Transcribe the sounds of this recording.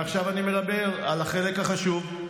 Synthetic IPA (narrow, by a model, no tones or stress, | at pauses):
aχʃavanime̞dabe̞ʁalaχe̞le̞khaχaʃuv